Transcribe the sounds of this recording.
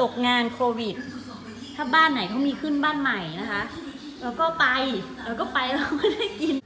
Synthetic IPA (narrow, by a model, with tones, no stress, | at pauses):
o˨˩k̚ŋaː˧nkʰoː˧wi˨˩t̪̚ːʰ | aː˥˩baː˥˩nːa˨˩˦jk̪ʰɔ˧˥˩wmiː˧kʰɯ˥˩˨nbaː˥˩nma˨˩jna˦˥kʰa˦˥ʔ | lɛː˧wkɔː˥˩pa˧j | aː˧˩wkɔː˥˩pa˧jlla˦˥˩kɔ˥˩da˥˩jki˧n